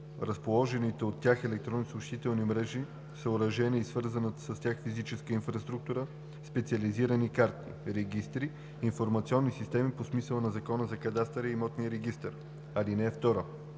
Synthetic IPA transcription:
ɾɐspolˠɔʒɛnit̪ɛot̪ːʲjaxɛlɛk̚t̪ɾɔnisuʃt̪it̪ɛlˠnimɾɛʒi | səʊɾɐʒɛniːsvɤɾzənət̪səst̪ʲjaxfizit͡ʃɛskəinfɾɐst̪ɾuk̚t̪uɾə | spɛt̪siɐliziɾənikaɾt̪ḭɾɛɡ̟ist̪ɾiː | nfoɾmɐt̪siɔnːisist̪ɛmiposmisəlˠənɐzɐkɔnəzɐkɐd̪ast̪əɾiimɔt̪nijəɾɛɡist̪əɾ | ɐlinɛɛft̪ɔɾə

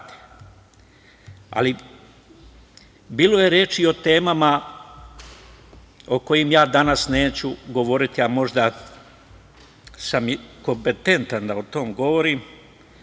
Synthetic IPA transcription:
t̪ | a̰li | biːlo̞je̞ɾeːt͡ʃio̞t̪e̞ːmama | o̞ko̞jimjaːd̪anasne̞ːt͡ɕuɡo̞ʋo̞ɾit̪iamo̞ʒd̪a | samko̞mpe̞t̪e̞nt̪and̪aot̪o̞mɡo̞ʋo̞ɾiːm

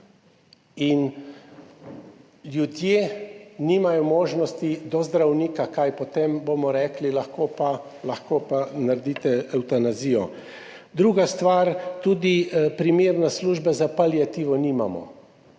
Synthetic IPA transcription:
in | ljud̪jeniːmajɔmoːʒnɔst̪id̪ɔzd̪ɾawniːkakajpɔt̪emboːmɔɾɛːklilaxkoːpa | laxkoːpanaɾd̪iːt̪ɛɛwt̪anaziːjɔ | d̪ɾuːɡast̪ʋaːɾt̪uːd̪ipɾimeːɾnasluːʒbazapaljat̪iːʋɔniːma̰mɔ̰

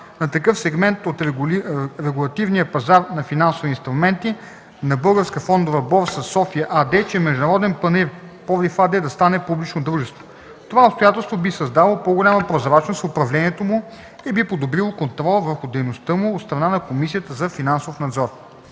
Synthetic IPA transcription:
nɐt̪ɐkɤfsɛɡmɛnt̪ot̪ | ɾɛɡʊlˠɐt̪ivnijəpɐzaɾnɐfinansʊvinst̪ɾʊmɛnt̪i | nɐbɤlˠɡəɾskəfɔnd̪ovɐbɔɾsɐsːɔfiɐʔad̪ɛt͡ʃɛmɛʒd̪unɐɾɔd̪ɛnpɐnɛɾ | pɔvlifad̪ɛd̪ɐst̪anɛpublit͡ʃnod̪ɾuʒɛst̪vo̥ | t̪ovaopst̪ojat̪ɛlˠst̪vobisɐzd̪alˠopoɡʊlʲaməpɾozɐɾat͡ʃnost̪ʊpɾɐvlɛniɛt̪omʊ | ibipod̪obɾilˠokont̪ɾɔlˠvəɾxʊd̪ɛjnost̪ɤmʊot̪st̪ɾɐnanɐkomisijət̪əzɐfinansofnɐd̪zɔɾ

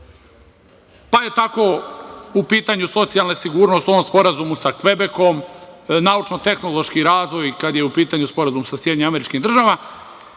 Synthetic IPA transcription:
paje̞t̪ako̞upiːt̪aɲuso̞t̪sijalˠnesiɡuːɾnost̪o̞ʋomspo̞ɾazumusakʋe̞be̞ko̞mnaːut͡ʃnot̪e̞xno̞lˠo̞ʃkiɾaːzʋo̞jkad̪jeupiːt̪aɲuspo̞ɾazumsasjed̪iɲeame̞ɾit͡ʃkid̪r̩ʒaʋa

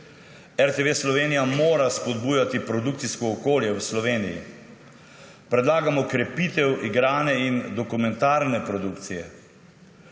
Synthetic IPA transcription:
ɛɾt̪eʋeslɔʋeːnijamoːɾaspɔd̪buːjat̪ipɾɔd̪uk̚t̪siskɔːkoːljɛwslɔʋeːnijḭ | pɾɛd̪laːɡamɔkɾɛpit̪ɛwʔiɡɾaːnɛind̪ɔkumɛnt̪aɾnɛpɾɔd̪ukt̪sijɛ

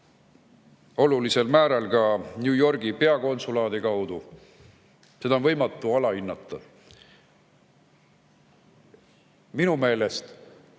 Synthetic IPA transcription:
o̞lulise̞lmæːɾɑlkɑnʲjuːjo̞rɡ̥ipe̞ɑko̞nsulɑːd̪̥ekɑwd̪̥u | se̞d̪ɑonvɤjmɑt̪ːˑuɑlɑinːɑt̪ːˑɑ | minume̞ːle̞st̪

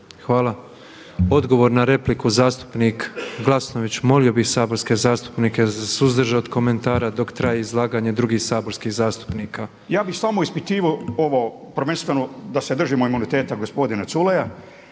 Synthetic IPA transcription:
xʋaːlˠa | o̞d̪ɡo̞ʋo̞ɾnaɾe̞plikuzaːst̪u̥pnikɡlˠasno̞ʋit͡ɕmo̞lio̞bixsaːbo̞ɾskezaːst̪u̥pniːkezasuzd̪r̩ʒeod̪ko̞me̞nt̪aːɾad̪o̞kt̪ɾajeizlˠaːɡaɲed̪ɾuɡiːxsaːbo̞ɾskihzaːst̪u̥pniːka | jaːbixsamoispit̪iːʋooʋo | pɾ̩r̩ʋenst̪ʋenod̪ased̪r̩ʒimoimunit̪eːt̪aɡospo̞d̪inasuleja

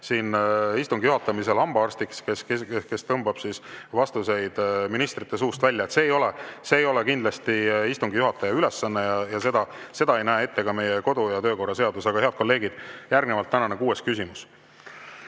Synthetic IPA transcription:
siːnist̪uŋɡijuɦɑt̪ːˑɑmis̬e̞lɑmb̥ɑɑrst̪ikskeskeke̞st̪ɤmbɑb̥sisvɑst̪use̞jd̪̥minist̪rit̪ːe̞s̬uːst̪vælʲːɑet̪se̞ːjo̞lese̞ːjo̞lekind̪lɑst̪iist̪uŋɡijuɦɑt̪ːˑɑjɑylesːɑnːejɑjɑse̞d̪̥ɑ | se̞d̪ɑe̞jnæee̞t̪ːe̞kɑme̞jeko̞d̪ujɑt̪ø̞ːko̞rːɑse̞ɑd̪usɑɡ̥ɑhe̞ɑd̪̥ko̞lːe̞ːɡid̪̥jærɡnevɑlt̪ːænɑnekuːe̞skysimus

